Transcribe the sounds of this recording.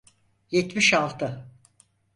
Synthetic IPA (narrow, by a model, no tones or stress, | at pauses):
jɛt̪miʃalˠt̪ʰɯ